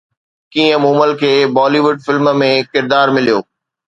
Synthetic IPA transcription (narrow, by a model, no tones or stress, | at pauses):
kĩːə̃muːməlkʰeːbɔːliʋʊɖ̚fɪlmmẽkɪɾd̪aːɾmɪlijoː